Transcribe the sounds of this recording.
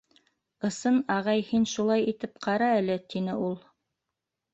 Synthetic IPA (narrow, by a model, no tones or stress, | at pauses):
ɤ̆sɤnɑʁɑjhinʃulˠɑjit̪ɘp̚qʰɑɾɑɘ̆lɘt̪inɘʔulˠ